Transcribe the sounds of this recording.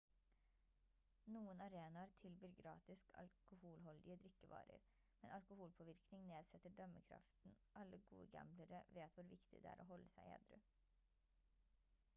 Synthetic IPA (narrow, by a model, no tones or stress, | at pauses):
nuːənɑɾeːnɑɾt̪ʰɪlbyːɾɡɾɑ̰ːt̪ɪskʰɑ̰lkʊhuːlɦɔld̪ɪəd̪ɾɪkːəʋɑ̰ːɾə̰ɾ | mɛnʔɑlkʊhuːlpʰɔːʋɪɾknɪŋneːd̪sɛt̪ːəɖœməkʰɾɑ̰ft̪n̩ʔɑlːəɡṵːə̰ɡæ̰mbləɾəʋeːt̪ʋʊɾʋɪkt̪ɪ̰d̪ɛæ̰ːɾʔoːɦɔlːəsæɪḛːd̪ɾʉ̰